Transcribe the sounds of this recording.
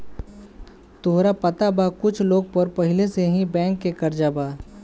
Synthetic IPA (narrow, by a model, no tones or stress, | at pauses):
t̪oɦɾapɐt̪abakʊt͡ʃʰloːɡ̚pɐɾpɐɦɪleseɦĩbɛ̃ːŋkːekɐɾd͡ʒaːbaː